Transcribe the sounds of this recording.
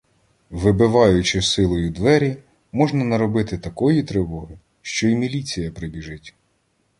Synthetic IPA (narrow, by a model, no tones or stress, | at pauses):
ʋɪbɪʋɑjʊt͡ʃɪsɪlˠɔjʊd̪ʋɛɾʲi | mɔʒnɐnɐɾɔbɪt̪ɪt̪ɐkɔjit̪ɾɪʋɔɦɪ | ʃt͡ʃɔimʲilʲit͡sʲijɐpɾɪbʲiʒɪtʲ